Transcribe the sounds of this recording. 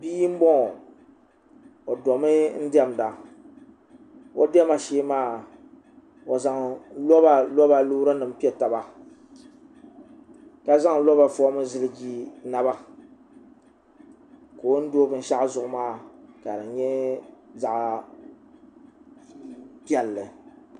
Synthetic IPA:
biː˦m̩˦bɔ˦ŋ˨ | o˨dɔ˨mɨ˦n̩˦di˦ɛ˦m˨da˨ | o˦dɛ˦ma˨ʃeː˦maː˦˨ | o˨za˨ŋlɔ˦ba˨lɔ˦ba˨lo˦ɾɨ˦nɨ˨m̩˦pi˦ɛ˦˨ta˨ba˨ | ka˦za˦ŋlɔ˦ba˨fɔ˦mɨ˦zɨ˦lɨ˦ɡi˦na˦ba˦ | koː˨˦n̩˦doː˦bɨ˦n̩˦ʃa˦ʔzʊ˨ʔʊ˦maː˦˨ka˨dɨ˨˦ɲɛ˦za˨ʔ | pi˦ɛ˨lːɨ˨

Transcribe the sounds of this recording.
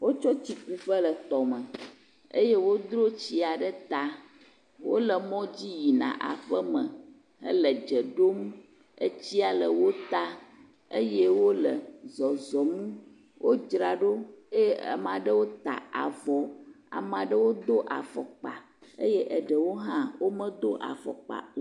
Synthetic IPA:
wo˦t͡ʃɔ˦t͡ɕi˨ku˨ɸə˦lə˨t̪ɔ˨mə̃˨ | ə̰˦je˦wo˦d̪ɾo˦t͡ɕi˦a˨ɖə˦t̪a˦ | wo̰˦lə˨mɔ̃˦d͡ʑi˦ji˨nã̰˨ʔa̰˨ɸə˦mə̃˨ | ə̰˦lə˨d͡ʒə˨ɖo˦m | ə̰˦t͡ɕi˦a˨lə˨wo˦t̪a˦ | ə˦je˦wo˦lə˨zɔ˨zɔ˨mũ˦ | wʔo˦d͡ʒɾa˨ɖo˦e˦ə̰˨m˨ã˨ɖə˦wo˦t̪a̰˨a̰˨vɔ˨ | a̰˨m˨a˨ɖə˦wo˦d̪o˦ʔa̰˨fɔ̰˨k͡pa̰˨ | ə˦jɛ˦ʔə˨ɖə˨wo˦ɦã˦wo˦mə̃˦d̪o˦ʔa̰˨fɔ̰˨k͡pa̰˨

